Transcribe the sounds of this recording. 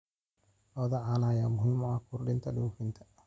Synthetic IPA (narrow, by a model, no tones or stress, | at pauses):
lɔːðɐʕanaːjamʊhɪmɔakʰʊɾɗɪnt̪ʰɐɗuːfɪnt̪ʰɐ̥